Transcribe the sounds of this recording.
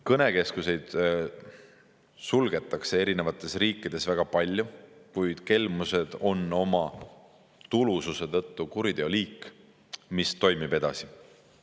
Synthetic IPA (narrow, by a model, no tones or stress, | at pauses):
kɤne̞ke̞skuse̞jd̪̥ | sulɡe̞t̪ːˑɑkse̞e̞ɾine̞vɑt̪ːˑe̞sriːkːˑid̪̥e̞svæɡ̥ɑpɑlʲːjukujd̪̥ke̞lmuse̞d̪̥o̞nːo̞mɑ | t̪ulususe̞t̪ɤ̞t̪ːukuɾid̪̥e̞o̞liːkː | mist̪o̞jmib̥e̞d̪̥ɑ̰si